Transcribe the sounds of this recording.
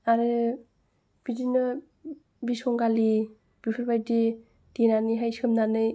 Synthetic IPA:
aɾɯ | b̥idinɯ | bisɔŋɡali | b̥ipʰɯɾbajdi | d̥inaniɦajskʰɯmnanɯj

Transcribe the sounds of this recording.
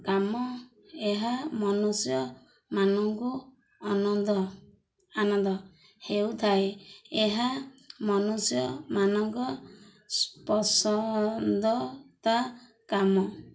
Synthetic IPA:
kamɔ | eɦamɔnusjɔ | manɔŋku | ɔnɔd̪ɔ | anɔnd̪ɔ | hewt̪ʰaeeɦamɔnusjɔmanɔŋkɔ | spɔsɔnd̪ɔt̪a | kamɔ

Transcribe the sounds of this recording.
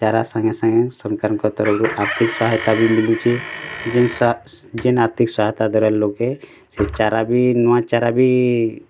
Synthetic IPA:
t͡ʃaːɾasãŋɡesə̃ŋɡɛ̃sɔŋkaɾnkɔt̪ɔɾɔɾuʔaɾt̪ʰikswaːɦt̪abʱimilut͡ʃid͡ʒ | d͡ʒenaːɾt̪ʰiksaːɦt̪ad̪ɔɾɛlloɡɛ | set͡ʃaːɾabʱinɔwãt͡ʃaɾabʱi

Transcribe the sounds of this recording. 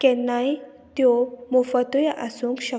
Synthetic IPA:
kɛnːaj | t̪jɔmufət̪ujʔasuŋkɕə

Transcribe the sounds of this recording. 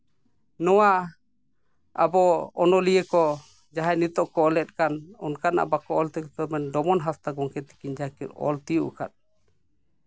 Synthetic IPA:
nɔwa | a̰bɔɔnɔlijɛkɔ | d͡ʒaɦajnit̪ɔʔkɔɔlɛt̪̚ˀkanɔnkana̰ʔa̰bakɔɔlt̪ɛkɔt̪ɔɾmɛnɖɔmɔnɦast̪aɡɔŋkɛt̪i̥kiɲd͡ʒakiɾɔ̰lt̪ijuʔka̰t̪̚

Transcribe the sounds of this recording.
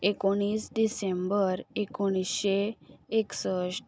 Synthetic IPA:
ekoɽ̃iːsɖisembəɾekoɽ̃isɕeeksəɕ

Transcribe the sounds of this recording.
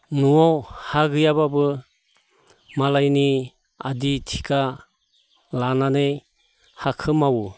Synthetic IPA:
nuɔwhaɡɯjababɯ | malajni | aditʰi̥kʰa | lananej | hakʰɯmawu

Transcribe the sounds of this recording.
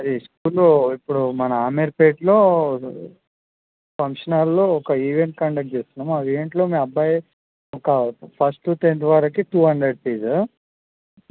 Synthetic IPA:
ɐd̪iskuːloipːuɽumɐnɐaːmeɾpeːʈloː | pɐŋkʂɐnaɾloːɔkɐiːʋeɳʈ̚kɐɳɖɐk̚ʈ̚t͡ʃeːst̪unːaːmuɐiːʋeɳʈlo̞ːmeːmɐbːaːj | ɔkɐpʰɐɾsʈːut̪ent̪ʋaːɾɐkiʈuːɦɐɳɖɾeɖ̚piːz

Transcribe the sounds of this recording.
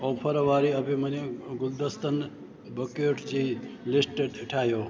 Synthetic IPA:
oːpʰəɾʋaːɾiəbʱimɐneɡʊld̪əst̪ən | bəkoːʈd͡ʒilisʈeɖʈʰaːjo

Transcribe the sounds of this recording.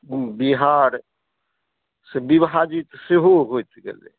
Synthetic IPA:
biɦaːɾ | sebibɦad͡ʒit̪seɦoɦojt̪ɡḛlḛ

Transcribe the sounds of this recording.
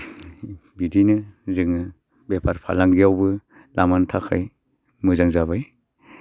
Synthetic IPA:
bidinɯzɯŋɯ | bepʰaɾpʰa̰laŋɡijawbɯ | lamantʰakʰaj | mɯzaŋzabaj

